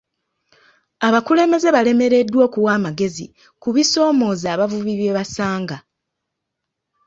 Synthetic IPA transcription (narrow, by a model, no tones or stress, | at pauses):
aβakule̞ːme̞ze̞βale̞me̞ɾe̞dːwo̞ːkuwaːmaɡe̞zḭ | kuβiso̞ːmo̞ːzaːβavuβiβe̞ːβasaːŋɡa